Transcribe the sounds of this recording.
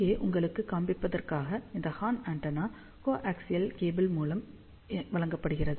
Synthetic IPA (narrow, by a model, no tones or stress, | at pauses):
eːʔʊŋɡɐɭɯkːɯkːaːmbɪpːɐðɐrkaːɣɐɪnd̪ɐhaːnaːɳʈɐnaː | koːʔaksɪjɐlkeːbɪlmuːlɐm | ʋɐɭɐŋɡɐpːɐɽɯɣɪrɐðɯ